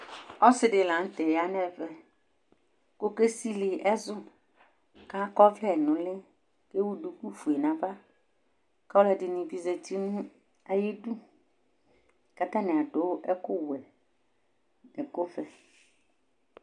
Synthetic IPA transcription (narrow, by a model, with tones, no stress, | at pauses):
ɔ˦sɪ˦dɪ˨lã˨n̩˦t̪ɛ˨ja˦nɛ̃˦vɛ˦˨ | ko˦ke˦si˦lɪ˨ɛ˦zʊ˦ | kã˦kɔ˦vlɛ˦˨nʊ̃˨lɪ˦ | ke˦wu˦du˨ku˦fu˨e˨nã˨va˦ | ka˦wlɛ˨dɪ˨nɪ̃˨vi˨ze˨ti˦nũ˦ | a˨ji˦du˦ | ka˨t̪ã˦nɪ̃˨a˨dʊ˨˦ʔɛ˦kʊ˦wɛ˨ | nɛ˨ko˦fɛ˦